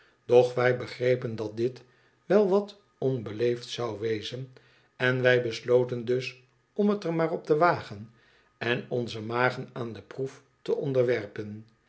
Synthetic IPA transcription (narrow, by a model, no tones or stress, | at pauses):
d̥ɔχʋɛjbəχrejpəndɑt̚dɪt | ʋɛlˠʋɑt | ɔnbəlejftsɑwʋejzən | ɛnʋɛjbəslowtəndɵs | ɔmətəɹmaːrɔp̚təʋaːχən | ɛnɔnzəmaːχənaːndəpruf | təʔɔndəɹʋɛɹpən